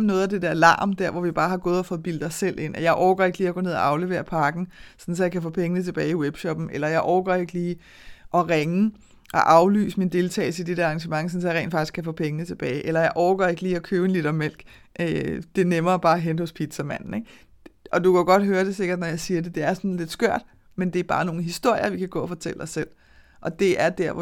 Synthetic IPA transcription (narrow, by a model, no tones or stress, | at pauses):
mnɔːð̞̩ˠæd̥e̝d̥æɐlɑ̰̈ːmd̥æɐʋɒʋib̥ɑ̈ːɦɑ̈ɡ̥ɔ̽ːð̞̩ˠɒfɔ̽ːð̩ˠb̥ild̥ɒsel̰e̝n̰ɒjɑ̈ɪʔɒʊɡ̥ɐe̝ɡ̥liːɐɡ̥o̽ne̝ð̰ˠɒ̰ʔɑ̈ʊleʋe̝̰ːɐpʰɑ̈ːɡ̥n̩sɒ̽n̩sɒ̽jɑ̈kʰæfɔ̰̽ːpʰeŋnət͡sʰe̝b̥ɛːɪiweb̥ɕɒ̽b̥n̩elɐjɑ̈ɪʔɒʊɡ̥ɐe̝ɡ̥liː | ʔɒ̽ʁeŋə | ʔɒ̽ʔɑ̈ʊly̰ːsəmind̥e̝lt͡sʰɛ̰ːl̩səid̥e̝ɾ̥eɐɑ̈ŋɕəmɑ̈ŋsɒ̽n̩sɒ̽jɑ̈ʁḛːn̥fɑ̈ɡ̥isɡ̥kʰæfɔ̰̽ːpʰeŋənət͡sʰe̝b̥ɛːɪʔelɐjɑ̈ɪʔɒʊɡ̥ɐe̝ɡ̥liːɒ̽kʰøːʊe̝nlid̥ɒmel̰ɡ̥ | ʔød̥e̝nemɐːb̥ɑ̈ːɦen̥hɔ̽spʰid̥sæmæn̰n̩eɡ̥ | ɒ̽d̥ukʰæoɡ̥ɒ̽d̥ɦøːɐd̥e̝se̝ɡ̥ɐd̥nɒjɑ̈ɪsiːɐde̝d̥e̝æɐsɒ̽nle̝d̥sɡ̥ɶɐ̰d̥ | mend̥e̝æɐb̥ɑ̈ːno̝ːn̩ɦisd̥o̝ɐ̰jɐʋikʰæɡ̥ɔ̰̽ːɒfɒ̽t͡sʰelə̥ɒ̽sel̰ | ʔɒ̽d̥e̝æɐd̥æɐʋɒ